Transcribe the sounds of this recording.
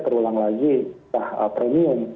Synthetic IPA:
k̪əɾulaŋlaɡiahəpɾɛmiʊm

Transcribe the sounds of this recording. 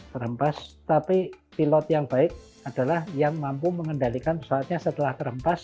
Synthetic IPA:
t̪əɾəmpast̪apipilɔt̪jaŋb̥aɪk̚ | ad̥a̤lahjaŋmampuməŋəndalikanəsaat̪̚ɲasət̪əlaht̪əɾəmpas

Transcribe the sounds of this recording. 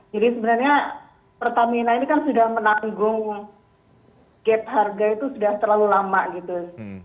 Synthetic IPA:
d͡ʒadisəbənarɲa | pərt̪aminainikansudahmənaŋɡʊŋ | kɛt̪̚ɦarɡait̪usudaht̪ərlalulamaʔɡit̪u

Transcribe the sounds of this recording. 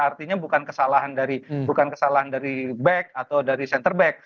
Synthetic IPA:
art̪iɲabukankəsalaɦandaɾibukankəsalaɦandaɾibɛk̚at̪awdaɾisɛnt̪ərbɛk̚

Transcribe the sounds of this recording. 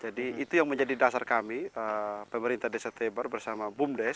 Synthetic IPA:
d͡ʒadiit̪ujaŋməɲd͡ʒadidasarkamiəpəməɾint̪adɛsat̪ɛbərbərsamabumdɛs

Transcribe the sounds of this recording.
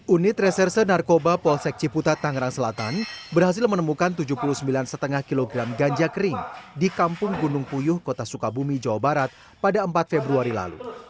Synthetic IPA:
ʔunɪt̪rɛsɛrsənarkobapɔlsɛk̚t͡ʃiput̪at̪aŋɾaŋsəlat̪anbərhas̬ɪlmənəmukant̪ud͡ʒuhpuluhsəmbilansət̪əŋahkiloɡɾamɡaɲd͡ʒakəɾɪŋdikampʊŋɡunʊŋpujʊhkot̪asukabumid͡ʒawabaɾat̪̚ | padaəmpat̪̚febɾuaɾila̰lṵ

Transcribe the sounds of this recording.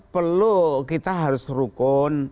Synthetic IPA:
pərlukit̪aɦaɾʊsɾukʊn

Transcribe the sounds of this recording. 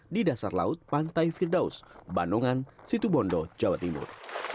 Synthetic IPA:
didasarla̰ʊt̪̚pant̪ajfirdaʊ̰sbanɔŋansit̪ubɔndɔd͡ʒawat̪imʊ̰r

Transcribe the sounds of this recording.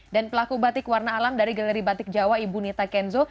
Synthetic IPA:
danpəlakubat̪ɪkwarnaːlamdaɾiɡalɛɾibat̪ɪk̚d͡ʒawaibunit̪akɛnzo

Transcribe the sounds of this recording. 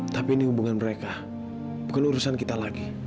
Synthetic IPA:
t̪apiːnihubuŋanməɾeka | bukanuɾusankit̪alaɡi

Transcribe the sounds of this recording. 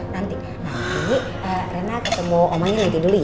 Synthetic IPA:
nant̪i | nai | əɾenakasəmɔʔomaŋɲanant̪iduluj

